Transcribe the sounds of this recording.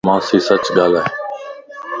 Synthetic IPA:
mãːsiːsət͡ʃɠaːlɛː

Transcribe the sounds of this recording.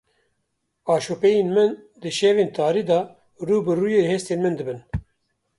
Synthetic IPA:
ɑːʃoːpɛjeːnmɨn | d̪ɨʃeːveːnt̪ʰɑːɾiːd̪ɑ | ruːbɨruːjeːheːst̪eːnmɨnd̪ɨbɨn

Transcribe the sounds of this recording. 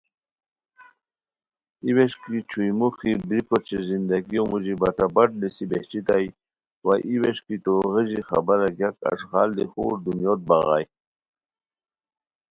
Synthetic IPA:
iweʂkit͡ɕʰujmuxibɾikot͡ɕizind̪aɡiomuʑibat̪abaʈ̚nisibeht͡ɕit̪aj | waʔiweʂkit̪oɣəʑixa̰baɾaɡjaka̰ʂɣɑld̪ixṵːɾd̪unjoːt̪̚baɣa̰ːj

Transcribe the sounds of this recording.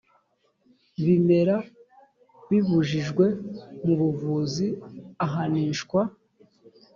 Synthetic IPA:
βime̞ɾa | βiβuʒiʒɡwe̞muβuvuziaɦaniːnʃkwa

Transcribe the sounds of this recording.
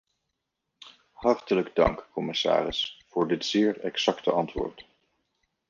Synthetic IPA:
hɑrtələɡdɑ̰ŋkkɔmɪsa̰ːrɪsfʊːɹdɪtz̥ɪːɹɛksɑktəɑntʋʊ̰ːɹt

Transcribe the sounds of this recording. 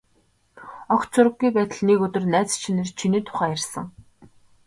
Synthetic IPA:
ɔχt͡sʰʊɾə̆ɡːujpæːt̪ə̆ɮnekɵt̪ɵ̆rnæːt͡st͡ɕʰinert͡ɕʰiniːt̪ʰʊ̥χæːjærʲsə̆ŋ

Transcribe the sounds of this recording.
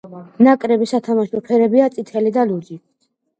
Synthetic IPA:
nakʼɾɛbisat̪ʰamaʃupʰɛɾɛbiat̪sʼit̪ʰɛlid̪alud͡ʒi

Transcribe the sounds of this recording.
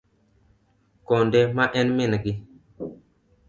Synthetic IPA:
kondemaʔɛnminɡi

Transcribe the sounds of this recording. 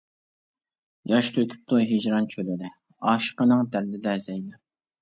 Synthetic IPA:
jɑʃt̪ʰøkʲʰy̥p̚t̪ujɦɪd͡ʒɾɑnt͡ʃʰølɪd̪ɪ | ɑːʃə̥qənɨŋt̪æɾd̪ɪd̪ɛzɛjd̪ɪ

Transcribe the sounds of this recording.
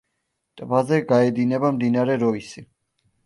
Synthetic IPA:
t̪ʼbazɛɡaɛd̪inɛbamd̪inaɾɛɾɔisi

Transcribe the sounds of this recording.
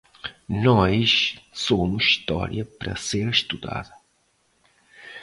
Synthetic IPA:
nɔʃsomʊʃʃt̪ɔ̰ɾjɐpɾɐ̰seɾʃt̪ud̪a̰ðɐ

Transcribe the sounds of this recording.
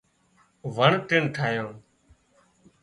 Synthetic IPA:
ʋəɳʈɪɳʈʰaːjõː

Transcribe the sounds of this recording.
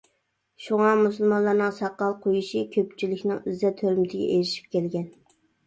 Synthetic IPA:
ʃuŋɑmusɨlˠmɑnlˠɑɾnɨŋsɑqːɑlˠqʰojuʃikʲʰøpt͡ʃʰilɪkʲnɪŋyzɛt̪ʰøɾmɪd̪ʰɪɡʲɛ̰eɾɪʃi̥p̚kʲɛlɡʲɛn

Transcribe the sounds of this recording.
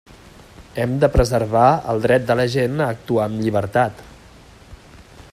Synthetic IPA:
ɛmd̪əpɾəzəɾβaə̰lˠd̪ɾɛt̪̚d̪ələʒenəːk̚t̪uaəmʎiβ̞əɾt̪at̪

